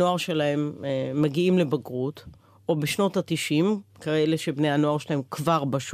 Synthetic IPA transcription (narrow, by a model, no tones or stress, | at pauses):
o̞aʁʃe̞laɦe̞mːeɡiimlebaɡʁut | o̞beʃno̞tatiʃimkaʁele̞ʃe̞bneano̞aʁʃelaɦe̞mkvaʁbaʃ